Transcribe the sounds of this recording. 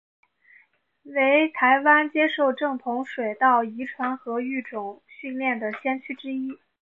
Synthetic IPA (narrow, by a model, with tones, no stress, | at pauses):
we˧˥ɪt̪ʰa˧˥ɪwa˥nt͡ɕjɛ˥ʂo˥˧ʊʈ͡ʂɤ˥˩ŋt̪ʰʊ˧˥ŋʂwe˨˩ɪt̪ɑ˥˩ʊi˧˥ʈ͡ʂʰwa˧˥nxɤ˧˥y˥˩ʈ͡ʂʊ˨˩ŋɕy˥˧nljɛ˥˩nd̪ə˩ɕjɛ˥nt͡ɕʰy˥ʈ͡ʂɻ̩˥i˥